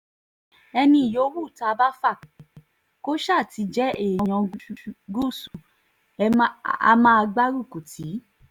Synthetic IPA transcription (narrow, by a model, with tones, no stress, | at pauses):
ɛ˧nĩ˧i˨jo˨˧˦wu˦˨ta˧ba˦fa˦˨ | ko˦ʃa˦˨ti˧˦d͡ʒɛ˦e˦˨ɔ̃˧˨j̃ɔ̃˨˧˦ɡu˦˨su˨˧ | a̰˧mã˦a˧ɡ͡ba˦ɾu˦˨ku˨tʰi˨˦